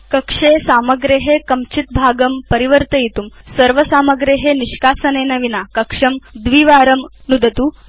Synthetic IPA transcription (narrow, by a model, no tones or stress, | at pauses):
kɐkʂesaːmɐɡɾeɦekɐmt͡ʃit̪̚bʱaːɡɐmpɐɾiʋɐɾt̪ɐjit̪umsɐɾʋɐsaːmɐɡɾeɦeniʃkaːsɐneːnɐʋinakɐkʂɐmd̪ʋiːʋaːɾɐmnud̪ɐt̪uː